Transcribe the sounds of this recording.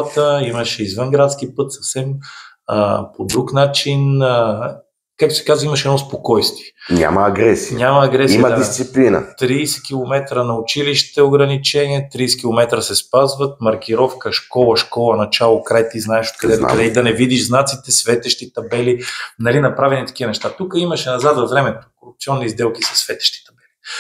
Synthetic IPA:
t̪əiməʃɛizvənɡɾat̪skipɤt̪sɐfsɛm | pod̪ɾuknat͡ʃin | kak̚t̪o̥sɛ̥kazvimɐʃɛd̪ɔspokɔjst̪viɛɲʲa̰mɐɐɡɾɛsiɲʲamɐːɡɾɛsijməad̪ist̪siplinə̰t̪ɾiːsɛ̥k̟ʲilˠomɛt̪ɾənɐʊt͡ʃiliʃt̪ɛoɡɾɐnit͡ʃɛniɛt̪ɾiːsɛ̥k̟ʲilˠomɛt̪ɾəsɛspazvət̪̚mɐɾk̟ʲiɾɔfkəʃkɔlˠɐʃkɔlˠɐnɐt͡ʃalˠokɾajt̪iznaɛʃot̪̚kɐd̪ɛt̪kɐd̪ɛd̪ɐnɛvid̪iʃznat̪sit̪ɛsvɛt̪ɛʃt̪it̪ɐbɛlinɐlinɐpɾavɛnit̪ɐ̥k̟iənɛʃt̪at̪ukəimɐʃɛnɐzad̪ɐvɾɛmɛt̪o̥koɾup̚t̪siɔnːizd̪ɛlˠkisɐ̥svɛt̪ɛ̥ʃt̪i̥t̪ɐbɛli

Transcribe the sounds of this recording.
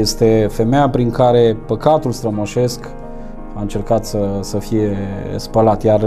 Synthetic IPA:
jest̪e̞fe̞mejapɾiŋkaɾe̞pəkat̪ulst̪ɾəmoʃe̞sk | aɨnt͡ʃe̞rkat̪səsəfije̞spəlat̪jar

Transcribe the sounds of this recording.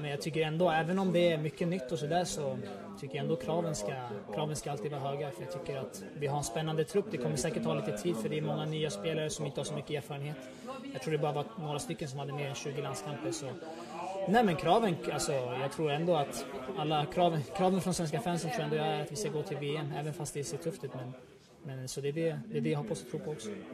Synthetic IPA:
mɛnjɑɡ̚t̪ʰʏkːəɾɛnd̪oɛːvənɔmd̪ɛæɾmʏkːənʏt̪ːɔsɔd̪æːʂɔ | t̪ʰʏkːəɾjaɛnd̪oːkʰɾɑːvənskakʰɾɑːvənskaalt̪iːvɑːɾaɦøːɡaɾfœjaɡ̚t̪ʰʏkːəɾat̪ | vɪɦaɾɛnspɛnːand̪ət̪ʰɾɵpːd̪ɛkʰɔmːəʂɛːkəʈhɑːliːt̪ət̪ʰiːd̪fœɖɛːɾmɔŋːanyːaspeːlaɾəsɔmɪnt̪əhasɔmʏkːəeːɾfɑːɾənheːt̪ | jɑɡt̪ʰɾuːɖɛbɑːɾavanoːɾast̪ʏkːəns̬ɔmhad̪ːəmeːɾɛnɕʉ̟ːɡɪland̪skʰampəɾsɔ | nɛːmɛnkʰɾɑːvənalsɔjɑːɡ̚t̪ʰɾuːɾɛnd̪oat̪alːakʰɾɑːvənkʰɾɑːvənfɾɔnsvɛnskafæːnsənʰuːɾɛnd̪oːjɑæɾat̪vɪskaɡoːt̪ʰɪlveːɛmɛːvənfast̪d̪ɛseːʈʰɵft̪ʉ̟ːt̪mɛn | mɛnsɔd̪ɛːɖɛd̪ɛːɖɛjahɔpːast̪ɔt̪ʰɾuːpʰɔɔksɔ̥

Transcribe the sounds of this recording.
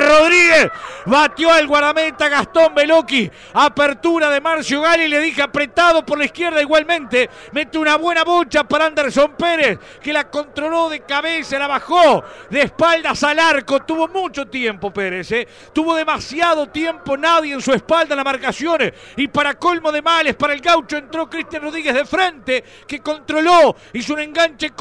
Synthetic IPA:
roðɾiɣesβat̪joalɣwaɾðamet̪aɣast̪ombeloki | apeɾt̪uɾaðemaɾsjoɣalileðixeapɾet̪aðo̞poɾlaihkjeɾðaiɣwalmẽnt̪e | met̪ounaβwe̞naβot͡ʃapaɾaand̪eɾso̞mpeɾes | kelako̞nt̪ɾoloðekaβesalaβaxoðeːspald̪asalaɾkot̪uβo̞mut͡ʃo̞t̪jempo̞peɾese | t̪uβo̞ðemasjaðo̞t̪je̞mpo̞naðjeːnsuespald̪aenamaɾkasjo̞n | ipaɾako̞lmo̞ðemalespaɾaelɣawt͡ʃo̞ent̪ɾo̞kɾist̪janro̞ðɾiɣeɦðefɾe̞nt̪e | keko̞nt̪ɾo̞lo | isunẽ̞ŋɡant͡ʃe

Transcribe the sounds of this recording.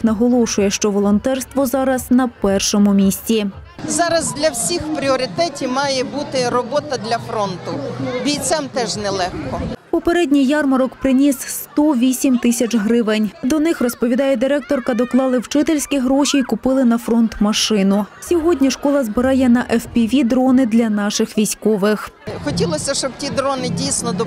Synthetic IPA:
knɐɦɔlˠɔʃʊjɛʃt͡ʃɔʋɔlˠɔnt̪ɛrst̪ʋɔzɑɾɐznɐpɛrʃɔmʊmʲisʲtʲi | zɑɾɐzd̪lʲɐwsʲixpɾʲiɔɾʲɪt̪ɛtʲimɑjɛbut̪ɪɾɔbɔt̪ɐd̪lʲɐfɾɔnt̪ʊbʲijt̪sɛmt̪ɛʒnɛlˠɛxkɔpɔpeɾɛdʲnʲijjɑrmɐɾɔkpɾɪnʲisst̪ɔʋʲisʲimt̪ɪsʲɐt͡ʃɦɾɪʋenʲd̪ɔnɪxrɔspɔʋʲid̪ɑjɛd̪ɪɾɛk̚t̪ɔrkɐd̪ɔklˠɑlˠɪwt͡ʃɪt̪elʲsʲkʲiɦɾɔʃʲiːkʊpɪlˠɪnɐfɾɔnt̪mɐʃɪnʊsʲɔɦɔdʲnʲiʃkɔlˠɐzbɪɾɑjɛnɐʔɛfpʲiʋʲid̪ɾɔnɪd̪lʲɐnɑʃɪxʋʲijsʲkɔʋɪx | xɔtʲilˠɔsʲɐʃt͡ʃɔb̥̚tʲid̪ɾɔnɪdʲijsʲnɔd̪ɔ

